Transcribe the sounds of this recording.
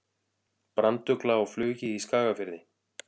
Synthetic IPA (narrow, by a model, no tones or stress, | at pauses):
pɾant̪ʏklaawflœːcɪiskaːɣafɪɾðɪ